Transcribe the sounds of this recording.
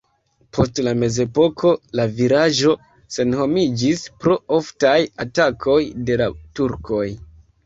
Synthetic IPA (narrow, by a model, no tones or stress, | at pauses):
pʰo̞stlame̞ze̞po̞kʰo̞laviɾaʒo̞ | se̞nho̞mid͡ʒispɾo̞oftajatakʰo̞jde̞latuɾkʰo̞j